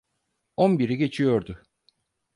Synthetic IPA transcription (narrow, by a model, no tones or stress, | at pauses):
onbiɾiɟe̞t͡ʃʰijo̞ɾd̪ʊ